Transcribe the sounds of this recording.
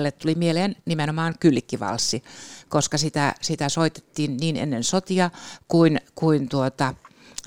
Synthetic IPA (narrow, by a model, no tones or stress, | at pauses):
lːet̪t̪ulimieleːnnimenomɑːŋkylikːiʋɑ̰lsːikoskɑsit̪æsit̪æsoit̪e̥t̪ːiːnniːnḛnːensot̪iɑkuinkuint̪uot̪ɑ